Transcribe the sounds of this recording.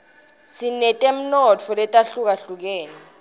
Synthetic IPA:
sinɛtʼɛm̩nɔt͡fʰɔlɛtʼaɬuk̬aɬuk̬ɛːnɛ

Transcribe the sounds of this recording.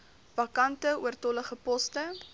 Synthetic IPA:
vɐkɐntəuərtɔləχəpɔstə

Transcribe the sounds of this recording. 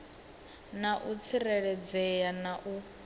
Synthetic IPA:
naʔut͡sʰiɾɛɺɛd͡zɛjanaʔu

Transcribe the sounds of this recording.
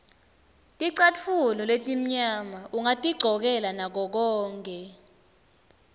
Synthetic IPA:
tʼiǀat͡fʰulɔletʼim̩ɲamauŋatʼiɡ͡ǀʱɔk̬ɛlanak̬ɔk̬ɔːŋkʼɛ

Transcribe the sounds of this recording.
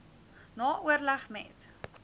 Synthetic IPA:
nɑːʔuərlæχmɛ̰t

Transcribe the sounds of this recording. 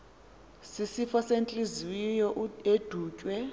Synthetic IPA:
sisifɔsent͡ɬʼiziwijɔed̥ʱuːcʼwɛ

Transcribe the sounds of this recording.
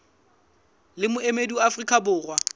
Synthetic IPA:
lɪmʊemeduafrikʼabʊːrwa

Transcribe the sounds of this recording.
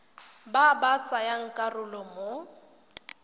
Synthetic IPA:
babat͡sʼajaŋ̩kʼarʊlɔmo

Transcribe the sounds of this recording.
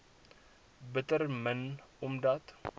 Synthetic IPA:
bət̪əɾmənʊmd̪at̪

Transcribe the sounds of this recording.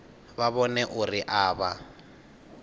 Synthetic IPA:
βaβɔnɛʔʊriʔaːβa

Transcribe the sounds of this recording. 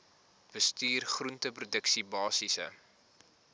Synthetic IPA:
b̥əstyːrχruntəprudəksibɑːsisə̰

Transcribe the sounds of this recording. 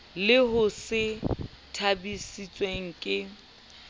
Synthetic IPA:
lɪɦʊsɪ | tʰabisit͡sʼweŋ̩kʼɪ

